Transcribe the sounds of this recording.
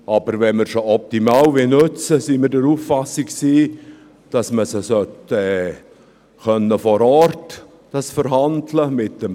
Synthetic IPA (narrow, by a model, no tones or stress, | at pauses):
ɑb̥əɾvɛnmɪɾʃoɔp̚timɑːwvinɵt͡səsimɪɾdəɾuːfːɑsikksiː | d̥ɑsməsəsœtɛː | xœnːəfɔɾɔrt | d̥ɑsfəɾɦɑndləmɪtəm